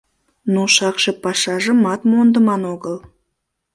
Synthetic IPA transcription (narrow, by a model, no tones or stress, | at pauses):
nuʃɑqʃəpɑʃɑʒəmɑt̪mond̪əmɑnoɡəlˠ